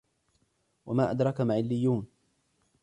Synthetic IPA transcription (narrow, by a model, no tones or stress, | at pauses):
wamaːʔad̪ɾˤɑkamaʕɪlːɪjːuːn